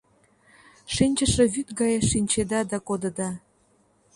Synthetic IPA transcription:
ʃinʲt͡ɕəʃeβyt̪ɡɑjʃinʲt͡ɕed̪ɑd̪ɑkod̪ə̆d̪ɑ

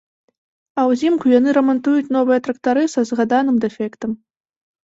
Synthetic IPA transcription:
ɐwzʲimkujan̪ɨɾɐmant̪ujut͡sʲn̪ɔvɨjɐt̪ɾɐkt̪aɾɨsɐzɣad̪anɨmd̪ɛfʲɛkt̪ɐm

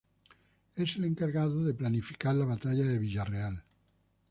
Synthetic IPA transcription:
eseleŋkaɾɣaðoðeplanifi̥kaɾlaβat̪aʎaðeβiʎareal

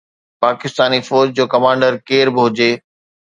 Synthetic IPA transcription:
paːkɪst̪aːnifɔːɾd͡ʑd͡ʑoːkɐmãːɳɖəɾkeːɾbɪɦʊd͡ʑeː

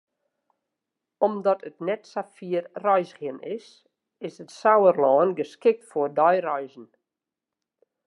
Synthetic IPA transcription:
ɔmdɔtʰətnɛtsafiərrɔjsɣənɪs | ɪsətsawərlɔːnɡəskɪk̚tfɔdɔjrɔjzn̩

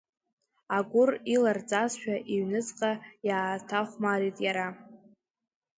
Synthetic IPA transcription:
aɡʷʊrilard͡zʼazʃᶣaʔiɥnɨt͡sʼqʼajaːtʰaχʷmaɾitʼjaɾa

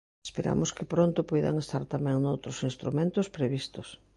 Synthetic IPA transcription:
espeɾa̰mʊskɪpɾõnt̪ʊpɔjða̰ŋest̪aɾt̪amɛ̃ŋnowt̪ɾosinst̪ɾumẽnt̪ospɾeβ̞ist̪os

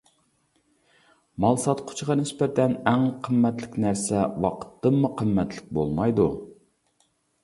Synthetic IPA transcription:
mɑlˠsɑt̪qʰʊ̥t͡ʃʰʁɑnɪspɛɾɛnæŋqʰəmːɛt̪lɪkʲnæɾsɛwɑ̰qʰə̥t̪ːɨmːʊqʰəmːɛt̪lɪk̚ʲbolˠmɑjd̪u

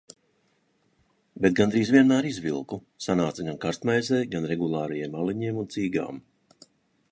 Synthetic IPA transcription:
bet̪̚ɡand̪ɾiːzvʲiɛnmaːɾizvilˠku | sanaːt̪saɡankaɾst̪majzɛːjɡanɾɛɡulˠaːɾajɛɛmaliɲiɛmunt̪siːɡa̰ːm

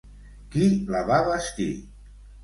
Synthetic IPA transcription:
kilaβaβaskḭ

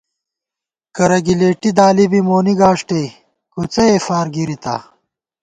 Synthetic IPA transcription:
kɐɾɐɡileːʈid̪aːlibimoːniɡaːʂʈe | kut͡sɐeːfaːɾɡiɾit̪a̰

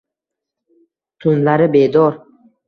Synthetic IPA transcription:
t̪ʰʊnlaɾɪbed̪ɒɾ

